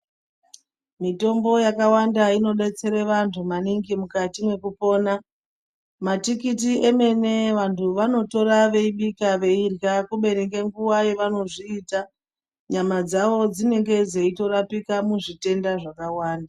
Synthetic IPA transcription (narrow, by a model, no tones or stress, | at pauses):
mito̞mbo̞jakawandaino̞ɓe̞t͡se̞ɾeʋantʰumaniŋɡimukatimwe̞kupo̞ːna | matikit̬ieme̞ne̞ʋantʰuʋano̞to̞ɾaʋe̞iɓikaʋe̞irɣakuɓe̞ɾekeŋɡuwajeʋano̞ʐiːta | ɲamad͡zaʋo̞d͡zine̞ŋɡe̞d͡zeito̞rapikamuʐite̞ndaʐakawaːnda